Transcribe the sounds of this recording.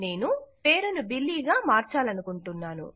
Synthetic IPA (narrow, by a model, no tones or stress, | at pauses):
ne̞ːnupe̞ːɾunubilːiːɡaːmaːɾt͡ʃaːlɐnukuɳʈunːaːnṵ